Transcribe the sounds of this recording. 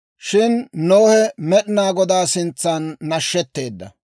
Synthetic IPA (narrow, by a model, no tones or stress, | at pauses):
ʃɪnnoːhɛmɛɗɪnaːɡɔd̪aːsɪnt͡sːanːɐʃːɛt̪ːe̞ːd̪ːɐ̰